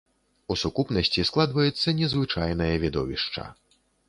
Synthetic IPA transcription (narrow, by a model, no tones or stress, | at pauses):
usukupnɐsʲt͡sʲisklˠad̪vɐjɛt̪sːɐnʲɛzvɨt͡ʂajnɐjɐvʲid̪ɔ̰vʲiʂt͡ʂɐ̰